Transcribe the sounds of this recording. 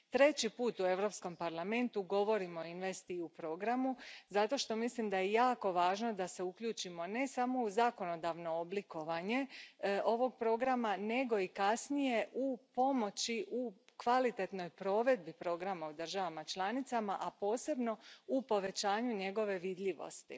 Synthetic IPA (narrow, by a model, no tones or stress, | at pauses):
t̪ɾe̞t͡ɕipuːt̪ue̞ʋɾo̞psko̞mpaɾlˠame̞nt̪uɡo̞ʋo̞ɾimo̞inʋest̪iupɾo̞ɡɾamuzat̪o̞ʃt̪o̞mislimd̪ajejaːko̞ʋaːʒno̞d̪aseukʎuːt͡ʃimo̞ne̞samo̞uzako̞no̞d̪aʋno̞obliko̞ʋaɲe̞ʔo̞ʋo̞ɡ̚pɾo̞ɡɾamane̞ɡo̞ikasnije̞ʔupo̞mo̞t͡ɕiʔukʋalit̪e̞t̪no̞jpɾo̞ʋe̞d̪̚bipɾo̞ɡɾamaud̪r̩ʒaʋamat͡ʃlˠanit̪samaʔapo̞ːse̞bno̞upo̞ʋe̞t͡ɕaːɲuɲe̞ɡo̞ʋe̞ʋid̪ʎiʋo̰st̪ḭ